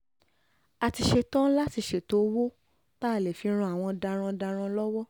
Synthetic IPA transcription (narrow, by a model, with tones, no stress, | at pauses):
a˨ti˧ʃe˧tɔ̃˦la˦ti˧ʃe˨to˨˦wo˦ | ta˦˨lɛ˨fi˨˧˦ɾ̃ũ˧a˨w̃ɔ̃˧da˧ɾ̃ã˧da˧ɾ̃ã˧lɔ˦wɔ˦